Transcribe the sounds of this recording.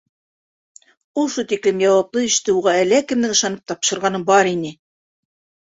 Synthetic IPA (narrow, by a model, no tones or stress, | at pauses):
ulˠʃut̪iklɘmjɑwɑplˠɤɘ̆ʃt̪ɘuʁɑælækɘ̆mnɘŋɤ̆ʃɑnɤp̚t̪ɑpʃɤ̆ɾʁɑnɤbɑɾinɘ